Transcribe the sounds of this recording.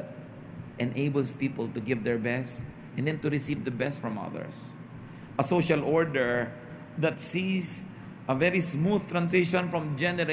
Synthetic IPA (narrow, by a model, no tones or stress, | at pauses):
t̪̚ | ʔɛ̃nʔeɪbəlspiːpəlt̪ʊɡɪvd̪ɛɹbɛst̪̚ | ʔɛ̃nd̪ɛ̃nt̪ʊɾɪsivd̪ɐbɛst̪fɹɔ̃mʌ̰ðə̰ɹs | ʔɐsoʃalɔɹd̪ɛɹ | d̪ɐt̪sis | ʔɐvɛɾismud̪t̪ɾãnsɪʃɔ̃nfɹɔ̃md͡ʒɛnɛɾ